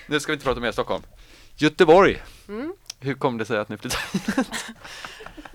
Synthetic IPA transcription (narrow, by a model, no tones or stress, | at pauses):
nʉ̟skavɪnəpɾɑːt̪ɔmeːɾst̪ɔkːɔ̰lm | jɵt̪ːəbɔɾj | hɵɾkʰɔmːd̪ɛsɛjat̪nɪflɪːt̪ʰant̪